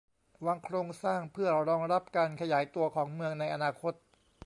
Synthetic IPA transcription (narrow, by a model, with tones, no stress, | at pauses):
waː˧ŋkʰɾoː˧ŋsaː˥˩ŋpʰɯ˥˩ɐɾɔː˧ŋɾa˦˥p̚kaː˧nkʰa˧jaː˩˦jt̪u˧ɐkʰɔː˩˦ŋmɯ˧əŋna˧jʔa˧naː˧kʰo˦˥t̪̚